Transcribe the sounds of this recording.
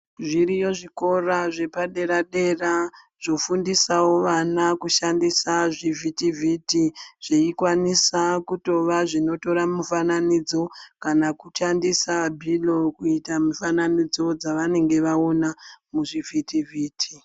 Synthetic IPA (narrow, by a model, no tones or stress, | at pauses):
ʐiɾijo̞ʐiko̞raʐe̞paɗe̞ɾaɗe̞ra | ʐ̥o̞fundisawo̞ʋanakuʃandisaʐivʱitivʱitiʐ̥eikwanisakuto̞ʋaʐino̞to̞ɾamufananid͡zo̞kanakuʃandisabʱilo̞kuitamufananid͡zo̞d͡zaʋane̞ŋɡe̞ʋaonamuʐivʱitivʱiːtʰi̥